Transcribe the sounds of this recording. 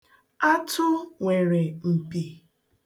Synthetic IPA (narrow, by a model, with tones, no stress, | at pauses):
a˦tʰʊ˦ŋʷe˨ɾe˨m̩˨pi˨